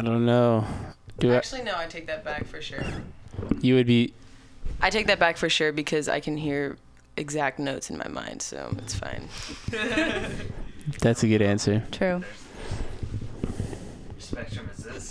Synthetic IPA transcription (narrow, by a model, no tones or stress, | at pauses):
aɪdõʊ̃nːoʊd̥ɨækt͡ʃʉl̩ˠinoʊaɪtʰeɪk̚ðɨt̚b̥ækfə˞ʃʊɹ | jɨwɨd̚bi | ʔaɪtʰeɪk̚ðɨt̚b̥ækfə˞ʃʊɹbɨkʰʌza̰ɪkʰɨ̃n̩ɦiɹ | ʔɨɡzæk̚tⁿnoʊtsɨ̃nma̰ɪmʔã̰ɪ̃nd̥so̰ʊɨ̰tsfã̰ɪ̃n | ðætsɨɡʊɾæ̃nsə˞tʰɹ̥ʉ